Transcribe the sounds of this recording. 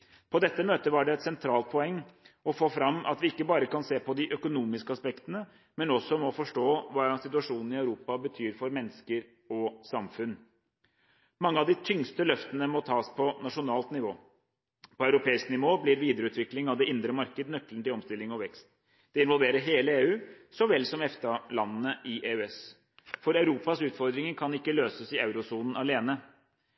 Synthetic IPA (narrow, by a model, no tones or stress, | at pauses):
pʰɔd̪ɛt̪ːəmøːt̪əʋɑɖɛɛt̪sɛnt̪ʰɾɑːlt̪̚pʰɔɛŋːɔfoːfɾɑmːʔɑ̰t̪ʋɪɪkːəbɑːɾəkɑnseːpɔd̪ɪʔœkʊnuːmɪskəɑspɛkt̪ənə | mɛnɔsɔmɔfɔʂʈoːʋɑːsɪt̪ʉɑʂuːnn̩ɪœʉɾuːpɑbət̪ʰyːɾfɔɾmɛnːəskəɾ | ɔsɑmfʉnː | mɑŋːəɑʋd̪ɪt̪ʰʏŋst̪əlœft̪ənəmɔt̪ʰɑːspʰɔnɑʂʊnɑːlt̪nɪʋoː | pʰɔœʉɾʊpʰeːɪsknɪʋoːblɪɾʋiːd̪əɾəʉːt̪ʋɪklɪŋɑʋd̪ɛʔɪnd̪ɾəmɑɾkəd̪nœkln̩t̪ɪlɔmst̪ɪlːɪŋɔʋɛkst̪ | d̪̥ɛɪnʋɔlʋeːɾəɦeːləeːʉː | sɔʋɛlsɔmɛft̪ɑlɑnːnəʔɪʔeːʉɛs | fɔɾɑʉɾuːpɑsʉːt̪fɔɾd̪ɾɪŋəɾkʰɑnɪkːəløːsəsɪɑʉɾʊsuːnn̩ɑleːnə